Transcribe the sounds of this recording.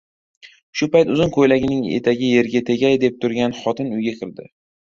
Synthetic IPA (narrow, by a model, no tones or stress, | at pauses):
ʃʊpajt̪ʊzɪnkʰojlaɡʲɪnɪŋḛt̪ʰaɡʲɪje̞ɾɡʲat̪ʰe̞ɡʲajd̪e̞p̚t̪ʰʊɾɡʲanχɒt̪ʰɪnʊjɡʲakʲʰɪɾd̪ɪ